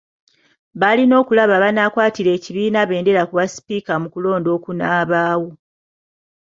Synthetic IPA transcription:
βalino̞ːkulaβaβanaːkwaːtiɾe̞ːciβiːnaβe̞ːnde̞ɾakuβasi̥pikamukulo̞ːndo̞ːkunaːβaːwo̞

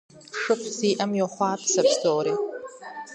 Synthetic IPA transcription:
ʂɨpʰziːʔamjoχʷaːpʰsapʰstʰoɾi

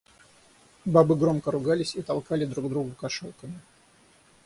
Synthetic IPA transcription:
babɨɡɾo̞mkəɾʊɡalʲɪsʲit̪ɐlˠkalʲɪd̪ɾuɡd̪ɾuɡʊkɐʂolˠkəmʲɪ

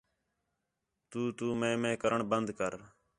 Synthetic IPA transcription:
t̪uːt̪uːmẽːmẽːkəɾəɳbənd̪kəɾ

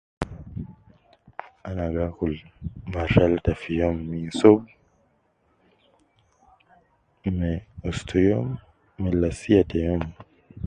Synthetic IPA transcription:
anaɡakulmaʃaltafijɔmːisɔb | mɛɔstʰujɔmː | ɛlasiatʰɛjɔm

